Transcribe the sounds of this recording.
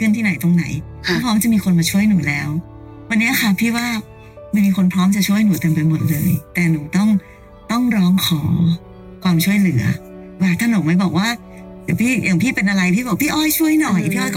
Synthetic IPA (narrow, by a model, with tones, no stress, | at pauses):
kʰɯ˥˩nt̪ʰiː˥˩na˩˦jt̪o˧ŋna˩˦jʰ | iː˥˩pʰɾɔː˦˥mt͡ɕa˨˩ʔmiː˧kʰo˧nmaː˧t͡ɕʰu˥˩əjnuː˨˩˦lɛː˨˦˥w | wa˧nːi˦˥ɐ˧xa˥˩pʰiː˥˩waː˥˩ | ma˥˩jmiː˧kʰo˧npʰɾɔː˦˥mt͡ɕa˨˩t͡ɕʰu˥˩əjnuː˨˩˦t̪ɯ˧mpa˧jmo˨˩t̪̚lɤː˧jt̪ɛː˨˩nuː˩˦t̪ɔ˥˩ŋ | t̪ɔ˥˩ŋɾɔː˦˥ŋkʰɔː˩˦ | kʰwaː˧mt͡ɕʰu˥˩əjlɯ˨˩˦ɐ | waː˧˩t̪ʰa˥˩no˨˦ŋma˥˩jbɔː˨˩k̚waː˥˩ | ja˨˩pʰiː˥˩ja˨˩ŋpʰiː˥˩pe˧nʔa˧ɾa˧jpʰiː˥˩bɔː˨˩pʰiː˥˩ʔɔː˥˩jt͡ɕʰu˥˩əjnɔ˨˩jpʰiː˥˩ʔɔː˥˩jkː